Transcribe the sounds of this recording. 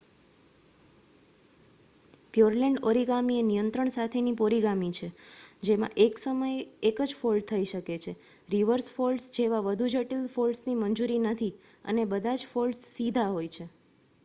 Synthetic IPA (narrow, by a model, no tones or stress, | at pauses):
pjoɾleɳɖoɾiɡamienijənt̪ɾəɳsat̪ʰenipoɾiɡamit͡ʃʰed͡ʒemã̰ʔeksəməjekəd͡ʒfolɖ̚t̪ʰəiʃəket͡ʃʰe | ɾiʋəɾsfolɖsd͡ʒeʋaʋəd̪ʱud͡ʒəʈilfolɖsnimənd͡ʒuɾinət̪ʰi | ə̰nebəd̪ʱad͡ʒfolɖsːid̪ʱaɦojt͡ʃʰe